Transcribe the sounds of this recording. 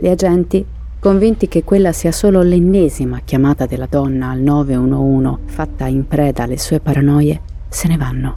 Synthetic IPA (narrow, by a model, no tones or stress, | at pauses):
liad͡ʒɛnt̪i | koɱvint̪ik̟ekːwelːasiːasoːlolenːeːzimakjamaːt̪ad̪elːad̪ɔnːaːlnɔːveuːnouːnofat̪ːaimpɾɛːd̪alesuːepaɾanɔːje | senevanːo